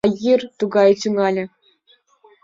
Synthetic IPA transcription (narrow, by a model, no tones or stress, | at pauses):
jirt̪uɡɑjt̪yŋɑlʲɘ̆